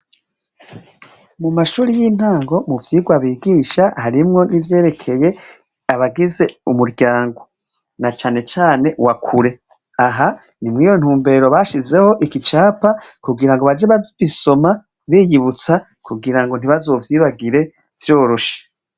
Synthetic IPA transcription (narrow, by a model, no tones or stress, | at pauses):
mumaʃuːɾijiːn̥aːŋɡo̞muvjiːɡwaβiːɡiːʃahaɾimŋo̞nivje̞ːɾe̞kʰe̞je̞ | aβaɡize̞umuɾɟaːŋɡo̞ | nat͡ʃaːne̞t͡ʃaːne̞wakʰuɾe̞ | aɦa | nimŋiːjo̞n̥uːmbe̞ɾo̞βaʃize̞ho̞ʔikit͡ʃaːpakuɡiɾaŋɡoβad͡ʒeβaβiso̞ma | βiːjiβut͡sa | kuɡiɾaŋɡon̥iβazo̞ːvjiːβaɡiɾe̞ | v̥joːɾoʃḁ